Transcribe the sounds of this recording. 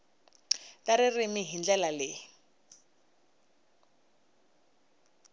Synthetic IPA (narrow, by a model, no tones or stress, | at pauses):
taɾɪrimɪɦind͡ɮɛlalɪ